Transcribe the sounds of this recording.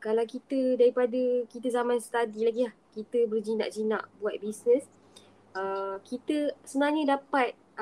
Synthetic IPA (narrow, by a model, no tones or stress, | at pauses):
kalawkit̪ədaɾipadəkit̪əzamãnst̪adilaɡilahkit̪əbərd͡ʒina̰ʔd͡ʒina̰ʔbuat̪̚bisnə̃s | əkit̪əsənaɲə̃dapat̪̚